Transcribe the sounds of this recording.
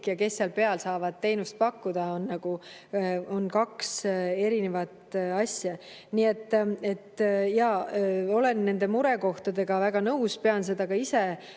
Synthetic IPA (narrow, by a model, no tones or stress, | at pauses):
kjɑke̞sːeɑlpe̞ɑlsɑːvɑd̪̥̚t̪ːe̞jnust̪̚pɑkːud̪̥ɑonːɑɡ̥u | o̞nkɑkse̞ɾine̞vɑt̪ɑsjɑ | nie̞t̪ːe̞t̪ːjɑo̞le̞nːe̞nd̪e̞muɾe̞ko̞ht̪ɑd̪e̞ɡ̥ɑvæɡ̥ɑnɤuspe̞ɑns̬e̞d̪ɑkɑise̞